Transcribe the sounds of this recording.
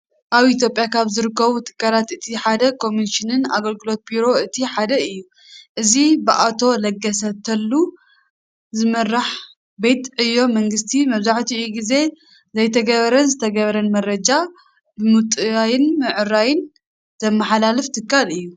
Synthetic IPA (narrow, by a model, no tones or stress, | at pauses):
ʔaβit̪ʰjo̞pʼjakʰaβzɨɾɨkːɐβut̪ʰɨ̥kːalat̪ɨt̪ʰiħad̪ɐkʰo̞minʃinɨna̰ɡɐlɡɨlo̞t̪̚biɾo̞ɨt̪ʰiħad̪ɐɨjːu | ʔɨzibɨʔat̪ʰo̞lɐɡːɐsɐt̪ʰɐlːu | zɨmɐrːaħ | be̞t̪ʼɨjːo̞mɐŋɡɨst̪ʰimɐβzaħt̪ʰiɨjːuɡize̞ | zɐjt̪ʰɐɡɐβɐɾɐnzɨt̪ʰɐɡɐβɐɾɐnmɐrɐd͡ʒa | bɨmut̪ʼɨajɪnmɨʕɨrajɪn | z̥ɐmːaħalalɨft̪ʰɨkːalɨjːu